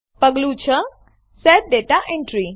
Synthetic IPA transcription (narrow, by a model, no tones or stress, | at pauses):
pəɡlut͡ʃʰə | sɛɾ̚ɖeʈaʔẽɳʈɾi